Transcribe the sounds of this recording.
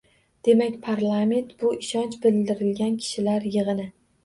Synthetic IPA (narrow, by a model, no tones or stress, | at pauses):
d̪̥e̞makʲpʰaɾlˠame̞nt̪bʊɪʃɒnt͡ʃbɪld̪ɪɾɪlɡʲankʲʰɪ̥ʃɪlaɾjɨʁɨnɪ